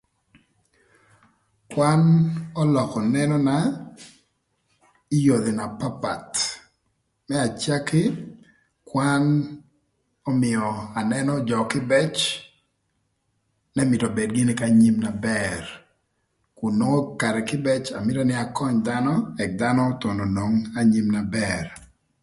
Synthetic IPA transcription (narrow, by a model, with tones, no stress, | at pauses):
kwanɔ˦lɔ˨kɔ˨nɛ˦nɔna | i˦jo˨d̪e˨na˨pa˦pa̰˨t | mɛ˦a˨t͡ʃja˦kɪ˦ | kwan | ɔ˦mɪ˨ɔ˨a˨nɛ˦nɔ˦d͡ʒɔ˨kɪ˦bɛ˦t͡ʃ | nɛ˦mɪ˨tɔ˨be˨d̚ɡɪ˦nɪkaɲi˦mna˨bɛr | kʊ˨nːo˦ŋo˦ka˨ɾɛ˨kɪ˦bɛ˦t͡ʃa˨mɪ˦ɾa˦nɪ˦a˨kɔ˦ɲd̪anɔ˦ɛ˨k̚d̪a˦nɔ˦t̪o˨nɔ˨no˨ŋa˦ɲi˦mna˨bɛr